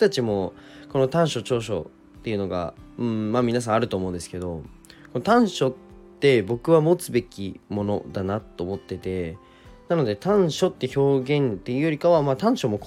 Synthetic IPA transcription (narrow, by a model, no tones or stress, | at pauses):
t̪at͡ɕimo̞ko̞no̞t̪ãɰ̃ɕo̞t͡ɕo̞ːɕo̞ | t̪ːe̞iɯ̟no̞ɡã̰̟maːmʲinas̬ãaɾɯ̟t̪o̞ːmõnd̪e̞sɨ̥ke̞d̪o̞ko̞not̪ãɰ̃ɕo̞t̪ː | e̞bo̞kɯ̟βamo̞t͡sɨbe̞kʲimo̞no̞̰d̪anat̪ːo̞ːmo̞t̪ːe̞t̪e̞ | nano̞d̪e̞t̪ãɰ̃ɕo̞t̪ːe̞ço̞ːɡẽ̞nt̪e̞i̟ɯ̟joɾʲikaβamaːt̪ãɰ̃ɕo̞mo̞k